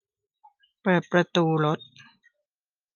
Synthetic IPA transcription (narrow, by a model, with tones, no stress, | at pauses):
pɤː˨˩t̪̚pɾa˧t̪uː˧lo˦˥t̪̚